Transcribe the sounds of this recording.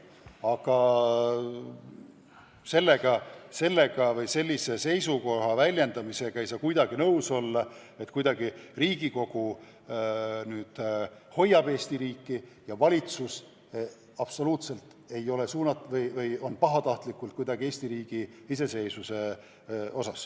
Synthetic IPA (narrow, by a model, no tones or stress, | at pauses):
ɑɡ̥ɑ | se̞lːe̞ɡ̥ɑse̞lːe̞ɡ̥ɑvɤjse̞lʲːise̞se̞jsuko̞ɦɑvælʲje̞nd̪ɑmise̞ɡ̥ɑe̞jsɑːkujd̪ɑɡ̥inɤwso̞lːɑ | e̞t̪ːkujd̪ɑɡ̥iriːɡiko̞ɡ̥u | nyːd̪̥ | ho̞jːɑb̥e̞ːst̪iɾiːkːˑi | jɑvɑlʲit̪sus | ɑb̥so̞luːt̪se̞lt̪ | e̞jo̞le̞suːnɑt̪vɤjvɤjo̞npɑɦɑt̪ɑht̪likˑːult̪̚kujd̪ɑɡ̥ie̞ːsʲt̪iɾiːɡ̥iise̞se̞jsuse̞ | o̞sɑs